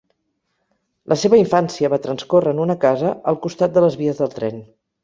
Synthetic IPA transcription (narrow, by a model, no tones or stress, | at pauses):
lʔəseβəiɱfansiəβat̪ɾənskorəːnunəkazəəlˠkust̪at̪̚d̪ələzβiəzðəlˠt̪ɾɛn